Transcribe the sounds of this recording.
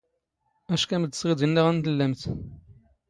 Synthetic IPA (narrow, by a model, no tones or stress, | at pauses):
æʃkæməd̪əsˤʁid̪ənːiʁænt̪əlːæmt̪